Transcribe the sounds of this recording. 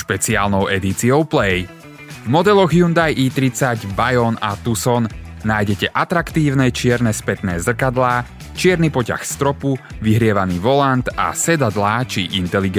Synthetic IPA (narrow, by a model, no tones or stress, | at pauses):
ʃpɛt͡siaːlnɔʊʔɛd̪it͡siɔʊplɛj | vmɔd̪ɛlɔɣjund̪ajʔiːt̪ɾit͡saɟbajɔnat̪usɔnː | aːjɟɛcɛʔat̪ɾakt̪iːʊnɛt͡ʃɪɛɾnɛspɛt̪nɛːzr̩kad̪laː | t͡ʃɪɛɾnipɔca̰xst̪ɾɔpuʋiɦɾɪɛʋaniːʋɔlant̪a̰sɛd̪ad̪laːt͡ʃiʔint̪ɛliɡ